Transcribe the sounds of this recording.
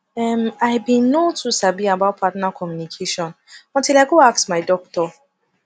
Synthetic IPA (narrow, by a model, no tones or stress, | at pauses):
ɛmaɪbĩnnːotʰusabiabaʊt̚pʰatnakʰɔmjunikʰeʃɔ̃n | ɔ̃ntilaɪɡoak̚tmaɪdɔk̚tɔ